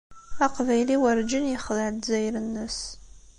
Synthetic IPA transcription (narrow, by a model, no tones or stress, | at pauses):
aqvæjliwəɾd͡ʒənjɪχðəʕt̪zæjɾənːəs